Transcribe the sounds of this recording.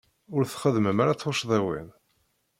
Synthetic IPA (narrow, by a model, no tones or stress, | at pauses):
ʊɾθχəðməmaɾat͡sˤːoʃðˤæwḭn